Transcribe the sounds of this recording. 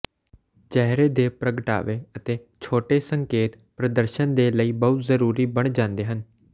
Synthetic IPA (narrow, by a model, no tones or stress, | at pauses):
t͡ʃɛɦɾeːd̪eːpɾəɡəʈa̰ːʋeːət̪eː | t͡ʃʰoːʈeːsəŋkeːt̪ | pɾəd̪əɾʃənd̪eːləiːbəɦʊt̪zəɾuːɾiːbəɳ̃d͡ʒãːnd̪eːɦən